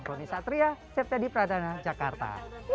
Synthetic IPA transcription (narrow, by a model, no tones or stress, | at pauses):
komisat̪ɾiasɛf̚t̪adipɾadanad͡ʒakart̪a̰